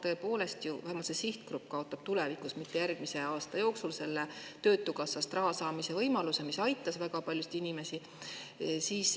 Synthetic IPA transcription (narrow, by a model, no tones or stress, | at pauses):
t̪ɤ̞epo̞ːle̞st̪juæmɑsesiht̪krup̚ːˑkɑo̞t̪ːˑɑb̥t̪ule̞vikˑusmit̪ːe̞jærɡ̥mise̞ɑːst̪ɑjo̞ːksulse̞lːet̪ø̞ːt̪ːˑukɑsːɑst̪rɑɦɑsɑːmise̞vɤjmɑluse̞misɑjt̪ːˑɑsvækɑpɑljusi̥t̪inime̞si | siːs